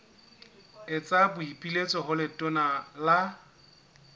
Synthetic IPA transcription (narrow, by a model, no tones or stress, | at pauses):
ɪt͡sʼabʊipʼilet͡sʼɔɦʊlɪtʼʊnala